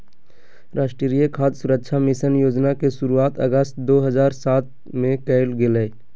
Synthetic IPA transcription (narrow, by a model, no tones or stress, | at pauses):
ɾaːʃʈɾəɾijəkʰaːd̪sʊɾəkʃʰamɪʃənjoːd͡ʒnakeʃʊɾuaːt̪ə̰ɡəst̪̚d̪oːɦəzaːɾsaːt̪̚ | mẽkəɪlɡɪleː